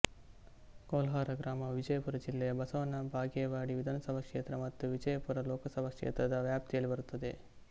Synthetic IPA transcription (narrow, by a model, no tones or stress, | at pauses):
koːlɦaːɾɐɡɾaːmɐʋid͡ʒɐjɐpuɾɐd͡ʒilːɛjɐbɐsɐʋɐnːɐbʱaːɡɐɐʋaːɽiʋid̪ʱɐːnɐsɐbʱɐkʂeːt̪ɾɐmɐt̪ːuʋid͡ʒɐjɐpuɾɐlɔːkɐsɐbʱɐkʂḛːt̪ɾɐd̪ɐʋjaːp̚t̪ijɐlːibɐɾut̪ːɐd̪e̞